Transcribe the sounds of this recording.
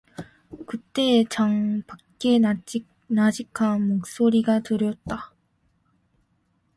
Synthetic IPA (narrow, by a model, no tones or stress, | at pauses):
kɯt͈e̞t͡ɕaŋpak͈e̞ | nad͡ʑikʰanmok̚s͈oɾiɡatɯɾjʌt̚t͈a